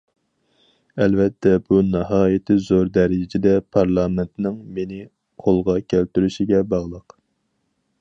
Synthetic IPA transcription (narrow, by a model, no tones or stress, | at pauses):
ɛlvɛt̪ʰːɛb̥unɨɦɑːjɪt̪ʰɪzoɾd̪ɛɾɪd͡ʒɪd̪ɛpʰɑɾlˠɑːmɛnt̪nɪŋmenɪ | qʰolˠʁɑkʲʰælt̪yɾyʃiɡʲɛbɑʁlˠəq